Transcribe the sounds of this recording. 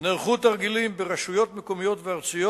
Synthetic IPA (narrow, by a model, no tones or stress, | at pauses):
neʁχut̪aʁɡilimbeʁaʃujo̞t̪mekomijo̞t̪veaʁt͡sujo